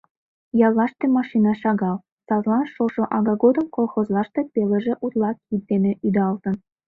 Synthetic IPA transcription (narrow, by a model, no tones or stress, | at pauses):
jɑlˠːɑʃt̪emɑʃinɑʃɑɣɑl | sɑzlˠɑnʃoʃoʔɑɣɑɡod̪əmkolˠxozlˠɑʃt̪epelĕʒĕʔut̪lˠɑkit̪d̪emĕʔyd̪ɑlt̪ɤ̆n